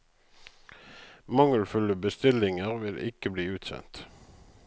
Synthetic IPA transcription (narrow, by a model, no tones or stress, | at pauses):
mɑŋəlfʉləbəst̪ɪlɪŋəʁʋɪlʔɪ̰kəbliːʉːt̪sɛ̰nt̪